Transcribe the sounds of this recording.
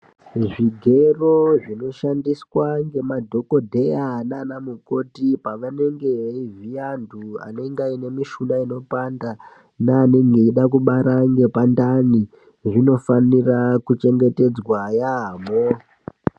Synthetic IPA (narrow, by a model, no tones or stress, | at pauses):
ʐiɡʱe̞roʐino̞ʃandiswaŋɡe̞madʱo̞ko̞dʱe̞anaːnamuko̞tipaʋane̞ŋɡe̞ivijandʱua̰ne̞ŋɡaine̞miʃunaino̞panda | naːne̞ŋɡeiɗakuɓaɾaŋɡe̞pandani | ʐino̞fanirakut͡ʃe̞ŋɡe̞te̞d͡zwajamo